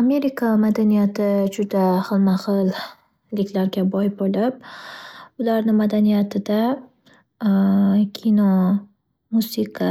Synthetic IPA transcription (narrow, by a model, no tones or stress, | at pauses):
ame̞ɾɪkʰamad̪anijat̪ʰɪd͡ʒʊd̪aχɨlˠmaqɨlˠ | lɪkʲlaɾɡʲabɒjbolɪp̚ | ʊlaɾnɪmad̪anijat̪ʰɪd̪a | kʲʰinɒ | musɪqʰa